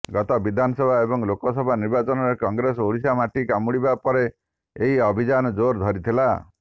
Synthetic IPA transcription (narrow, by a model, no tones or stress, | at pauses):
ɡɔt̪ɔbid̪ʱanɔsɔbʱaebɔŋlokɔsɔbʱaniɾbat͡ʃɔnɔɾekɔŋɡɾes̬oɭisamaʈikamuɽibapɔɾe | eɦiɔbʱid͡ʒanɔd͡ʒoɾd̪ʱɔɾit̪ʰila